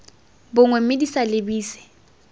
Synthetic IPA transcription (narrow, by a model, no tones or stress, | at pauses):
bʊŋwemɪdisalɪbiːsɪ̥